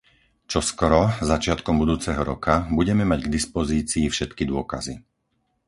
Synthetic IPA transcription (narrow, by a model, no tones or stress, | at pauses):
t͡ʃɔskɔɾɔzat͡ʃɪat̪kɔmbud̪uːt͡sɛɦɔɾɔkʰabuɟɛmɛmaɟɡd̪ispɔziːt͡siːfʃɛt̪kid̪ʊɔka̰zi